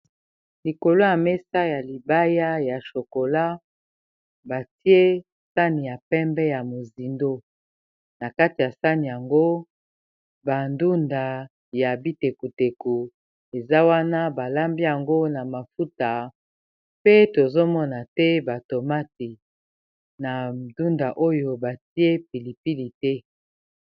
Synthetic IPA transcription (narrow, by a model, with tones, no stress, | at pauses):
li˨ko˨lo˦ja˨mɛ˦sa˦ja˨li˨ba˦ja˦ja˨ʃo˨ko˨la˦ | ba˨ti˦e˦ | sa˦ni˨ja˨pɛ˦mbɛ˦ja˨mo˨zi˨ndo˦ | na˨ka˦ti˨ja˨sa˦ni˨ja˨ŋɡo˦ | ba˨ndu˦nda˨ | ja˨bi˦te˨ku˨te˨ku˨ | e˨za˦wa˦na˦ba˨la˦mbi˦ja˨ŋɡo˦na˨ma˨fu˦ta˨ | pe˦to˨zo˦mɔ˦na˨tɛ˦ba˨to˨ma˦ti˨ | na˨du˦nda˨ʔo˦jo˨ba˨ti˦e˦pi˨li˨pi˦li˨tɛ˦